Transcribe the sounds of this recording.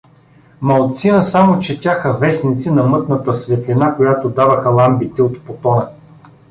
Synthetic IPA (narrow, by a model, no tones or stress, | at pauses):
mɐlˠt̪sinəsamot͡ʃɛt̪ʲaxəvɛsnit̪sinɐmɤt̪nət̪əsvɛt̪linakojat̪od̪avɐxəlˠambit̪ɛot̪pot̪ɔnə